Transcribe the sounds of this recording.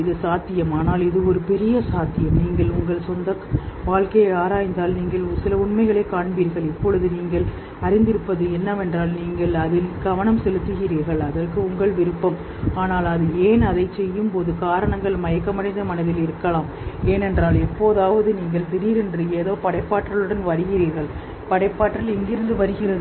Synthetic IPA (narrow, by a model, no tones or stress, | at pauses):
ɪðɯsaːt̪ːɪjɐmaːnaːlɪðɯɔɾɯpɛɾɪjɐsaːt̪ːɪjɐmniːŋɡɐɭʊŋɡɐɭsɔnd̪ɐʋaːɭkɐjaːɾaːjnd̪aːlniːŋɡɐɭsɪlɐʊɳmɐɪɣɐɭeːkaːɳbiːɾɣɐɭɪpːɔɻɯðɯniːŋɡɐɭ | ɐɾɪnd̪ɪɾɯpːɐðɯɛnːɐʋɛndraːlniːŋɡɐɭɐðɪlɡɐʋɐɳɐmsɛlɯt̪ːɯɣɪɾiːɾɣɐɭɐðɐrkɯʊŋɡɐɭʋɪɾɯpːɐm | aːnaːlɐðɯeːnɐðɐɪt͡ʃɛjːɯmpoːðɯkaːɾɐɳɐŋɡɐɭmɐjɐkːɐmɐɽɐɪnd̪ɐmɐnɐðɪlɪɾɯkːɐɭaːm | eːnɛndraːlɛpːoːðaːʋɐðɯniːŋɡɐɭt̪ɪɾiːɾɛndrɯeːðoːpɐɽɐɪpːaːʈrɐɭɯɽɐnʋɐɾɯɣɪɾiːɾɣɐɭ | pɐɽɐɪpːaːʈːrɐlɪŋɡɪɾɯnd̪ɯʋɐɾɯɣɪrɐð